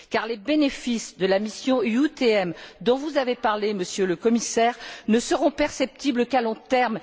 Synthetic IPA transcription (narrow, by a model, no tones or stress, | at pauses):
kaʁlebenefisd̪əlamisjɔ̃yut̪eɛmd̪ɔ̃vuzavepaʁleməsjøləkɔmisɛʁnəsəʁɔ̃pɛʁsɛp̚t̪ibləkalɔ̃t̪ɛʁm